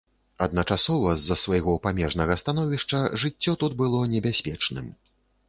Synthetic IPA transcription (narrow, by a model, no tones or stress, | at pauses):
ɐd̪nɐt͡ʂasɔvɐzːɐsvajɣɔpamʲɛʐnɐɣɐst̪anɔvʲiʂt͡ʂɐʐɨt͡sʲːɔt̪ud̪̚bɨlˠɔnʲɛbʲasʲpʲɛt͡ʂnɨ̰m